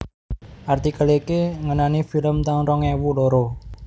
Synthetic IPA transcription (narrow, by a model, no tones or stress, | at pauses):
ʔart̪ikalekeŋənanifiləmt̪aŋɾɔŋɛwuloɾo